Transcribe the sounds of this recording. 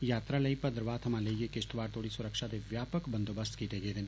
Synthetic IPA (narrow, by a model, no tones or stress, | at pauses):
jaːt̪ɾaləipəd̪ɾʋaːt̪ʰɐmãleijekest̪ʋaːɾt̪oːɽisʊɾəkʃad̪eʋjaːpəkbənd̪obəst̪kiːt̪eɡed̪en